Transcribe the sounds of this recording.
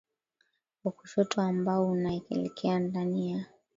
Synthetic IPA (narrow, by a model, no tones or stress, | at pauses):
uku̥ʃɔtʰɔambaɔunaɛkɛ̰lɛkʰɛandanija